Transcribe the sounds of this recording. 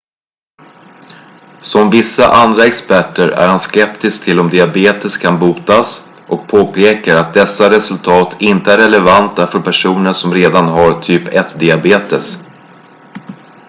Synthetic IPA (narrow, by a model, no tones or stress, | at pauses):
sɔmvɪsːa̰ʔand̪ɾaɛkspæʈːəɾæ̰ɾhanskɛpt̪ɪsk̚t̪ʰɪlɔmd̪ɪabeːt̪əskʰanbuːt̪as | ʔɔk̚pʰoːpʰeːkəɾat̪̚d̪ɛsːaɾɛsɵlt̪ʰɑːt̪ʰɪnt̪əæɾːɛɭɛvant̪afœɾpʰæʂuːnəʂɔmɾeːd̪anɦaɾt̪ʰyːpɛt̪d̪ɪabeːt̪əs